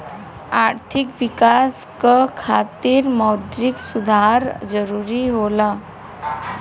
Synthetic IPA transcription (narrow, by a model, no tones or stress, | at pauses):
aɾt̪ʰikʋikaskəkʰat̪iːɾməwd̪ɾiksud̪ʱaɾd͡zəɾuɾiɦola